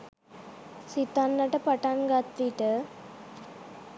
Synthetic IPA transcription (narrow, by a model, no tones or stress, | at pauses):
sit̪anːɐʈəpɐʈanɡat̪ːiʈə